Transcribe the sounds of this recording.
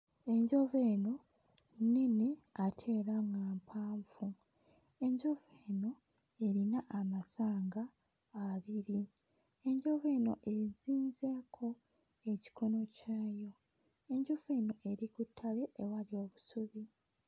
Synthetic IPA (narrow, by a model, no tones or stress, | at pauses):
e̞ɲɟo̞ve̞ːno̞ | nineatʰe̞ːɾamŋaːmpʰaːɱfu | e̞ɲɟo̞veːno̞ | e̞ɾinaʔamasaːŋɡa | aβiɾi | e̞ɲɟo̞ve̞ːno̞̰ʔe̞ziːnze̞ːkʰo̞ | e̞ci̥kʰo̞no̞caːjo̞ | e̞ɲɟo̞ve̞ːno̞ʔe̞ɾikutʰːale̞ʔewalio̞ːβusuβi